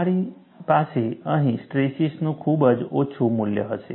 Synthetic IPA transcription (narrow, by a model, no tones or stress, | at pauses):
aɾi | paseəɦĩsʈɾesisnũkʰubəd͡ʒot͡ʃʰumuljə̰ɦəʃḛ